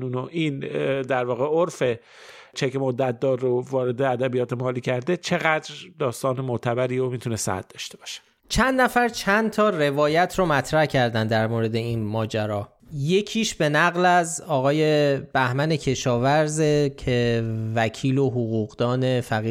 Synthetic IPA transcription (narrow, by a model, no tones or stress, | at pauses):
nuːnoʔiːnd̪æɾvɒːɣeoɾfe̞ | t͡ʃʰecmod̪ːæt̪̚d̪ɒːɾːovɒːɾe̞d̪eæd̪æbijɒːt̪ʰemɒːliːcʰæɾd̪e̞t͡ʃʰe̞ɣæd̪ɾd̪ɒːst̪ɒːnemoʔt̪ʰæbæɾiːomiːt̪ʰunesæ̰d̪̚d̪ɒːʃt̪e̞bɒːʃe̥ | t͡ʃʰænd̪næfæɾt͡ʃʰænt̪ʰɒːre̞vɒːjæt̪ʰɾomæt̪ʰɾæhcʰæɾd̪ænd̪æɾmoːɾe̞d̪e̞iːnmɒːd͡ʒæɾɒː | je̞cʰiːʃb̥e̞næɣlæzɒːɣɒːje̞b̥æhmæne̞cʰe̞ʃɒːvæɾzecʰe̞væcʰiːlo̞ɦoɣuːɣd̪ɒːne̞fæɣiː